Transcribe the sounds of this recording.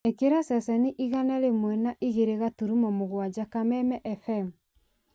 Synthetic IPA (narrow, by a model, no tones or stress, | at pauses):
ekeɾasɛsɛniʔiɣanɛɾemwɛnaʔiɣeɾeɣatuɾumɔmoɣwad͡ʒakamɛmɛʔɛfɛmu